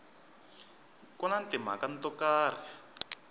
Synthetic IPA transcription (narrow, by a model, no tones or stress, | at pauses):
kɔnantɪm̤a̰kantɔkaːr̤i